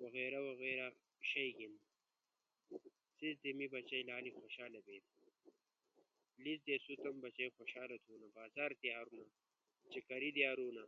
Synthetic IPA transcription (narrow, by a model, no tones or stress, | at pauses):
wɐɣeːɾɐwɐɣeːɾa | ɕɐjɡin | sizd̪emibɐt͡ɕɐjlaːlixoɕaːlɐbeːd̪ | lizd̪esut̪ɐmbɐt͡ɕɐjxoɕaːlɐt̪ʰuːnɐbaːzaːɾt̪iaːɾuna | t͡ʃekɐɾid̪iaːɾuːna